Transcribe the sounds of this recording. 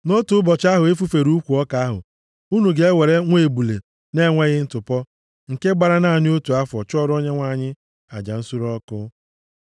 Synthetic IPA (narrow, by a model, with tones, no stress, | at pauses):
no˦tu˨˦ʊ˦bɔ˨t͡ʃa˦ɦʊ˨e˦fu˦fe˨ɾu˦kʷu˨ɔ˦ka˦a˦ɦʊ̰˨ | u˦nu˨ɡe˦e˦we˨ɾe˦ŋʷe˨bu˨lḛ˨ | ne˦ŋʷe˦ɣɪ˦n̩˦tʊ˨pɔ˦ | ŋ̩˨ke˦ɡ͡ba˨ɾa˦na˦˨ɲɪ˦o˦tu˨a˦fɔ˨t͡ʃɔ˦ɾɔ˦ɲe˦ŋʷa˨ɲɪ˦ | a̰˨d͡ʒa̰˨n̩˦su˦ɾɔ˦kʊ˦